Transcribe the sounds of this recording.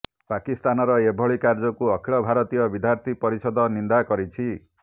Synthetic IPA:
pakist̪anɔɾɔebʱɔɭikaɾd͡ʒɔkuɔkʰiɭɔbʱaɾɔt̪ijɔbid̪ʱjaɾt̪ʰipɔɾisɔd̪ʱɔnind̪akɔɾit͡ʃʰi

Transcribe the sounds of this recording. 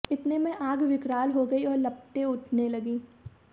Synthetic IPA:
ɪt̪nemɛ̃ʔaːɡʋɪkɾaːlɦoɡɐiɔːɾlɐp̚ʈeʊʈʰnelɐɡĩː

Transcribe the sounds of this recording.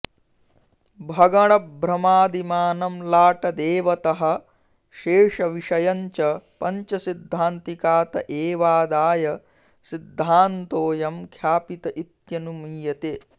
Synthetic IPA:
bʱɐɡɐɳɐbʱɾɐmaːd̪imaːnɐmlaːʈɐd̪eːʋɐt̪ɐɦɐ̆ | ʃeːʂɐʋiʂɐjɐɲt͡ʃɐpɐɲt͡ʃɐsid̪ʱːaːnt̪ikaːt̪ɐʔeːʋaːd̪aːjɐ | sid̪ʱːaːnt̪oːjɐmkʰjaːpit̪ɐʔit̪jɐnumiːjɐt̪eː

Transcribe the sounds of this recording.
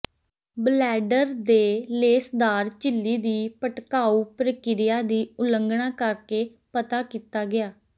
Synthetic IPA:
blɛːɖəɾd̪eːleːsd̪aːɾt͡ʃɪlːiːd̪iːpəʈkaːuːpɾəkɪɾɪjaːd̪iːʊləŋɡɳaːkəɾkeː | pət̪aːkiːt̪aːɡɪaː

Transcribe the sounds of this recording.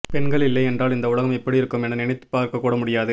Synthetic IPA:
pɛnɡɐɭɪlːɐɪɛndraːlɪnd̪ɐʊɭɐɣɐmɪpːɐɽiɪɾɯkːɯmɛnɐnɪɳɪt̪ːɯ̥pːaːɾkɐkːuːɽɐmʊɽɪjaːðɯ

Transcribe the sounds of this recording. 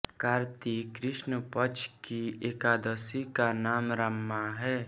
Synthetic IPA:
kaːɾt̪ikɾɪʃnəpət͡ʃʰkieːkaːd̪əsikanaːmɾəmːaɦɛː

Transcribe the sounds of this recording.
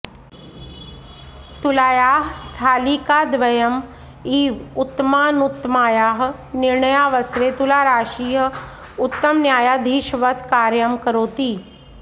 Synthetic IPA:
t̪ulaːjaːɦst̪ʰaːliːkaːd̪ʋɐjəm | iːʋʊt̪ːəmaːnut̪ːmaːjaːɦ | nɪɾɳəjaːʋɐsɾeːt̪ulaːɾaːʃiːɦə | ʊt̪ːəmnjaːjad̪ʱiːʃʋət̪ʰkaːɾjəmkəɾoːt̪iː

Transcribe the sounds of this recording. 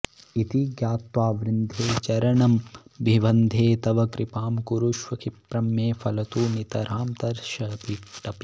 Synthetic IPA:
it̪iɡjaːt̪ʋaːʋɾɪnd̪ʱeːt͡ʃɐɾɐɳɐmbiʋɐnd̪ʱeːt̪ɐʋɐkɾɪpaːmkuɾuʃʋɐkipɾɐmːeːfʰɐlɐt̪uːnit̪ɐɾaːmt̪ɐɾʃɐpiʈɐpi̥

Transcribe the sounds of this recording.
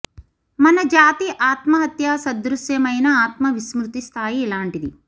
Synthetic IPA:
mɐnɐd͡ʒaːt̪iʔaːt̪mɐɦɐt̪jaːsɐd̪ɾusjɐmɐjnɐaːt̪mɐʋismɾut̪ist̪ʰaːjiɛlaːɳʈid̪i

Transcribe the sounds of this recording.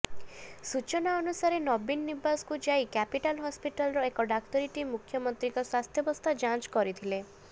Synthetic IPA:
sut͡ʃɔnaɔnusaɾenɔbinːibasɔ̥kud͡ʒajkɛpiʈalɦɔspiʈalɾɔekɔɖak̚t̪ɔɾiʈimukʰːjɔmɔnt̪ɾikɔswast̪ʰjɔbɔst̪ʰad͡ʒãt͡ʃkɔɾit̪ʰile

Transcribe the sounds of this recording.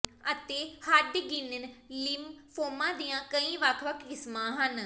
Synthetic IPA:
ət̪eːhəɖɡɪnnlɪmpʰoːmãːd̪ijãːkəĩːʋəkʰʋəkʰd͡ʒɪsmãːɦən

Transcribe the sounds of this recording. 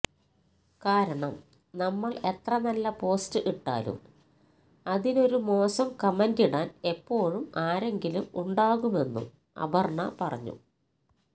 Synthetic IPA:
kaːɾɐɳɐm | nɐmːɐɭe̞t̪rɐnɐlːɐpo̞ːstɨʔiʈːa̰ːlṵm | ɐðino̞ɾumo̞ːsɐmkɐmendiɽaːne̞pːo̞ːɻumaːɾe̞ŋɡilumuɳɖaːɣume̞nːṵ | ɐ̰bɐrɳɐ̰pɐrɐ̰ɲːṵ

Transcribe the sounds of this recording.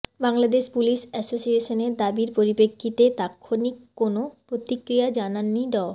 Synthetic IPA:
baŋlad̪eʃpuliʃɛsosieʃoneɾd̪abiɾpoɾibekʰːit̪et̪akʰːonikːonopɾot̪ikɾijad͡ʑananːiɖɔ

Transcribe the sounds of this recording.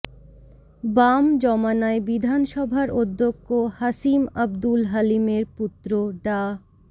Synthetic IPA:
bamd͡ʑɔmanaebid̪ʱanʃɔbʱaɾod̪ʱːokːohaʃimɐbd̪ulɦalimeɾput̪ːɾoɖa

